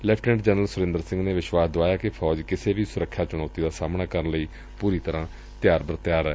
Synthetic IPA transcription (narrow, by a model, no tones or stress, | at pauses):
ɪlɛːpʈnə̃ʈd͡ʒɛːnəlsʊɾɪ̃nd̪əɾsɪ̃ŋɡneːʋɪʃwaːsd̪oaːjaːkɪpʰɔːd͡ʒkɪseːʋiːsʊɾəkʰːjaːt͡ʃʊnɔːt̪iːd̪aːsaːmnaːkəɾənləiː | puːɾiːt̪əɾãː | t̪ɪjaːɾbəɾt̪ɪjaːɾɛː